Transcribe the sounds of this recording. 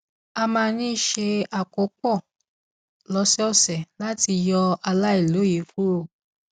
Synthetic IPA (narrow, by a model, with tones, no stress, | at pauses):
a˧mãː˧nĩ˦˨ʃe˧a˨ko˨˦k͡pɔ˦˨ | lɔ˧˦sɛ˦ɔ˦˨sɛ˨la˦ti˧jɔ˧a˧la˦i˦˨lo˨˦je˨˦fu˦ɾo˧˨